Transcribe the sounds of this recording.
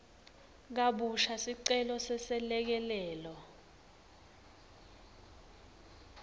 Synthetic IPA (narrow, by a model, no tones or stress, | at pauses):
k̬aɓuʃasiǀɛlɔsɛsɛlɛk̬ɛlɛːlɔ